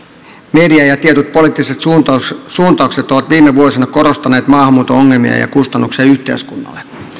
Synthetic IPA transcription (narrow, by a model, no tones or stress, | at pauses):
mediɑjɑt̪iet̪ut̪̚po̞liːˑt̪ːiset̪suːnt̪ɑˑukset̪oʋɑt̪ʋiːmːeʋuosinɑko̞ɾost̪ɑneːt̪mɑːhɑmːuːt̪ooŋːelmḭɑ̰jɑ̰kust̪ɑnːuksiɑyht̪e̞̰ːskunːɑ̰lːe